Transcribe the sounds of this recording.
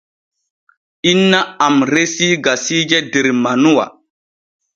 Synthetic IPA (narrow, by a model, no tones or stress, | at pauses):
inːaamɾesiɡasid͡ʒɛdeɾmanuwa̰